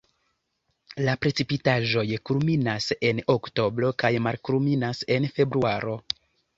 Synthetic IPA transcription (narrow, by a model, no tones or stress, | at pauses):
lapɾe̞t͡sipitaʒo̞jkulminase̞nokto̞bɾo̞kajmaɾkulminase̞nfe̞bɾuaɾo̞